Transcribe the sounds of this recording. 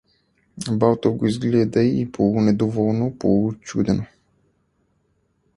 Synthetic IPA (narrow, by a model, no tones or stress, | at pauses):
balˠt̪oɡoizɡlɛd̪əiipʰolˠunɛd̪ovɔlˠnopolˠut͡ʃud̪ɛno